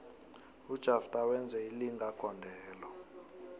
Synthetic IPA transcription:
ud̥ʒ̥ʱaftʼawɛnd͡zʱɛiliŋakʰɔndʱɛːlɔ

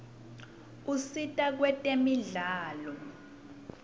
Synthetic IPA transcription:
usitʼak̬wɛtʼemiɮaːlɔ

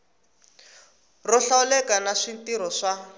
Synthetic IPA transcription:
rɔɬaulɛkanaʂintiɾɔʂa

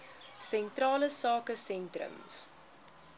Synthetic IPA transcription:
sɛntrɑːləsɑːkəsɛntrə̰ms

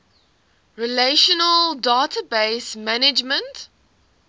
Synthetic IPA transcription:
ɹileʃənəldɑːtʰəbeɪsmænɪd͡ʒmə̃nt

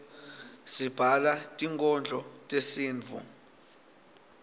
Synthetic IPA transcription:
sib̥ʱalatʼiŋkʼɔnd͡ɮʱɔtʼesiːnʱṵ

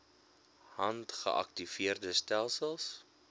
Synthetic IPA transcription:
hɐntχə̰ʔɐ̰k̚tiviərdəstælˠsəlˠs

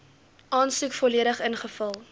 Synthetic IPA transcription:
ʔɑːnsukfɔliəɾəχənχəfɐlˠ

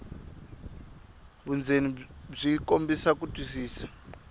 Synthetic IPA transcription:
βund͡zenib͡ʐikombisak̬utʼwisiːsḁ

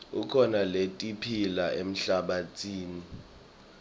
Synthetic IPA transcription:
ukʰɔnaletʼipʰilaem̩ɬaɓat͡sʰʼiːni

